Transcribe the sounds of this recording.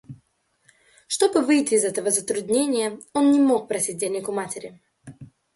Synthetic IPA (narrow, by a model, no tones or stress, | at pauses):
ʂt̪o̞bɨvɨjtʲɪːzɛt̪əvəzət̪ɾʊd̪ʲnʲenʲɪjəo̞nnʲɪmo̞k̚pɾɐsʲit̚ʲdʲenʲːɪkʊmatʲɪɾʲɪ